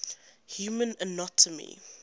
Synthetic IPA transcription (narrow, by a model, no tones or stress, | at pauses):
hjuːmə̃nənɔtʰəmḭ